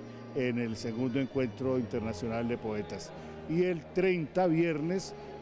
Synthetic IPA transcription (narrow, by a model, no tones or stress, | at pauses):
enelse̞ɣũnd̪oeŋkwe̞nt̪ɾo̞int̪eɾnasjo̞nald̪e̞po̞e̞t̪as | ielt̪ɾejnt̪aβje̞ɾne̞s